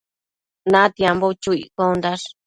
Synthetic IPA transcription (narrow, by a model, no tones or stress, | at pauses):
nãt̪jambot͡ʃuḭkond̪aʂ